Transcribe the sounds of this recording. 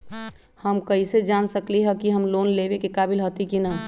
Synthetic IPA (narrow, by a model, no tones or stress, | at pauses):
həmkəised͡ʒansəkliɦəkiɦəmloːnlebekekabilɦət̪ikinə